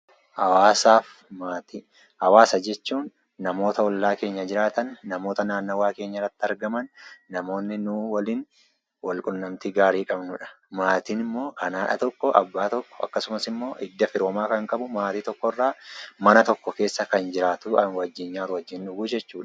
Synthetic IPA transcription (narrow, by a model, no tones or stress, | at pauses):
hɐwaːsaːf | maːt̪i | hɐwaːsɐd͡ʒɛt͡ʃːuːnː | ɐmo̞ːt̪ɐɔlːaːke̞ːɲːɐd͡ʒɪɾaːt̪ɐnːɐmo̞ːt̪ɐnaːnːowaːke̞ːɲːɐɪrːɐt̪ːɪɐɾɡɐmɐnːɐmo̞ːnːɪnuwɐliːn | wɐlkʼʊnːɐmt̪iɡaːɾiːkʼɐbnʊᶑɐ̥ | maːt̪inɪmːo̞ːkɐnaːᶑɐ̰t̪ɔkːɔʔɐ̰bːaːt̪ɔkːɔ̥ɐ̰kːɐsʊmɐsɪmːo̞ːʔɪd̪ːɐfɪɾoːmaːkɐŋkʼɐbʊmaːt̪iːt̪ɔkːɔrːaːmɐnɐt̪ɔkːɔke̞ːsːɐkɐnd͡ʒɪɾaːt̪uɐnwɐd͡ʒːɪɲːaːɾʊwɐd͡ʒːɪnᶑʊɡuːd͡ʒɛt͡ʃːuːᶑɐ̥